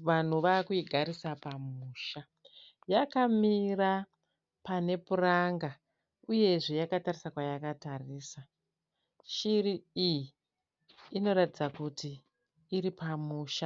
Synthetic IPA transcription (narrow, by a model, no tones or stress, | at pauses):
ʋan̤uʋakuiɡʱaɾisapamuːʃa | jakamira | pane̞puraŋɡa | uje̞ʐejakatarisakwajakatariːsa | ʃiriijiː | no̞ɾatid͡zakutiː | ɾipamuːʃa